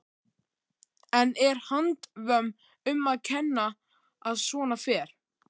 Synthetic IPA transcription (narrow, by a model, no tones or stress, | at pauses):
ɛnɛɾ̥hant̪vœm | ʏmːaðcʰɛnːaː | ðsvɔːnafɛːɾ̥